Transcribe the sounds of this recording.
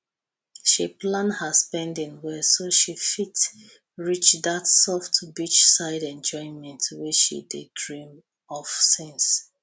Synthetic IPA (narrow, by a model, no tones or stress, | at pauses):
ʃiplãndhəspɛ̃ndĩŋwɛsoʃifit | ɹit͡ʃdatsɔftʰbit͡ʃsaɪdɛ̃nd͡ʒɔ̃ɪ̃nmɛ̃ntʰwit͡ʃʃḭdedɹĩm | ɔfsĩns